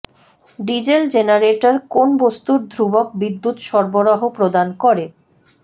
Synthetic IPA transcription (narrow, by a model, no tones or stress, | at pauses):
ɖid͡ʑeld͡ʑenaɾeʈaɾkonbost̪uɾd̪ʱɾubok̚bid̪ːut̪ʃɔɾboɾaɦopɾod̪ankɔɾe